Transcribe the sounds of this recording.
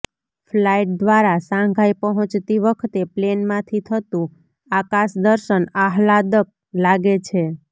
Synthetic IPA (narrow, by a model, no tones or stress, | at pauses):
flaiʈ̚d̪ʋaɾasãŋɡʱajpəɦɔ̃t͡ʃt̪iʋəkʰt̪eplenmãt̪ʰit̪ʰət̪ũ | akaʃd̪əɾʃənaɦlad̪ək̚ | laɡet͡ʃʰe